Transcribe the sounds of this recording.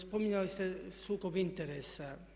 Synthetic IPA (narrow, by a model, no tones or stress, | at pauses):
spomiɲalist̪esukovint̪ɛɾɛsːa